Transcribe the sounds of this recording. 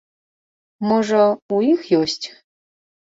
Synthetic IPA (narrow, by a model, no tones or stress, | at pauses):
moʐɐuixjosʲtʲ